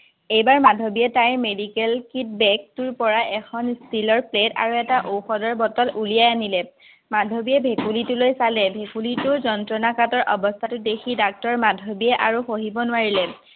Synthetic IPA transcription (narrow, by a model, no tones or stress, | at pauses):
ejbaɹmadʱobijɛtajmedikɛlkit̚bɛk̚tuɹpɔɹaʔɛxʰɔnstilɔɹpleta̰ɹuɛtaʔowxɔdɔɹbɔtɔlulijajanilɛ | madʱobijɛbʱekulitulojsalɛbʱekulitʊɹzɔntɹɔnakatɔɹʔɔbɔstʰatʊdexʰidak̚tɔɹmadʱobijɛʔaɹuxoɦibɔnʊaɹilɛ